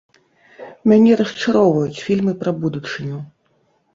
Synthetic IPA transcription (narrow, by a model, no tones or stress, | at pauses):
mʲanʲɛɾɐst͡ʂaɾɔwvɐjut͡sʲfʲilʲmɨpɾɐbud̪ut͡ʂɨnʲu